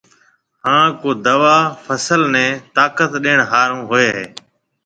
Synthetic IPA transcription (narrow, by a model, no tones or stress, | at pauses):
ɦãːkoːd̪əʋaːfʰəsəlnẽːt̪aːkət̪ɗeːɳɦaːɾũːɦoeːɦeː